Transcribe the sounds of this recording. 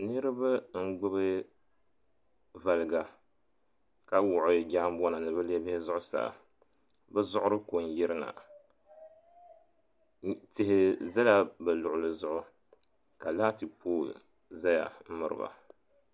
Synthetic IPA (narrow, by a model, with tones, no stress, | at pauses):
nɨ˦ɾɨ˦ba˦ŋ̩˦ɡ͡bʊ˦βɨ˦ | va˨lɨ˨ɡa˨ | ka˨wʊ˨ʔʊ˨d͡ʒaː˦m˦bɔ˦na˨nɨ˨bɨ˦lɛ˦bɪ˦hɪ˦zʊ˦ʔʊ˦sa̰ː˨ | bɛ˦zʊ˦ʔʊ˦ɾɨ˦ko˨n˨jɪ˦ɾɨ˦na̰˨ | tɪ˨hɪ˨za˦la˦bɨ˨lʊ˨ʔʊ˨lɨ˨zʊ˦ʔʊ˦ | ka˨laː˦tɨ˨pʰoː˦˨l | za˦ja̰˨m̩˦mɨ˦ɾɨ̰˨ba̰˨